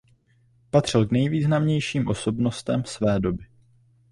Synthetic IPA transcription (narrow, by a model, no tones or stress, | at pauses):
pat̪r̝̥ɪlknɛjviːznamɲɛjʃiːmʔo̞so̞bno̞st̪ɛmsvɛːdo̞bɪ